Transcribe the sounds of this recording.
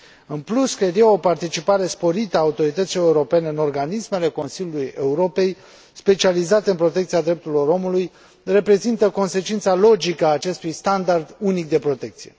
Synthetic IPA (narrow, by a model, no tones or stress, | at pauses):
ɨnpluskɾed̪ijawo̞part̪it͡ʃipaɾe̞spo̞ɾit̪əaːut̪o̞ɾit̪ət̪siloeuɾo̞pe̞ne̞ɨno̞rɡanisme̞le̞ko̞nsilʲjuluje̞uɾo̞pe̞j | spe̞t͡ʃializat̪e̞ɨnpɾo̞t̪ekt̪siad̪ɾe̞p̚t̪uɾilo̞ɾo̞muluj | re̞pɾe̞zint̪əko̞nse̞t͡ʃint̪salo̞d͡ʒikəaːt͡ʃe̞st̪ujst̪and̪ard̪unik̚d̪e̞pɾo̞t̪e̞k̚t̪sije̞̰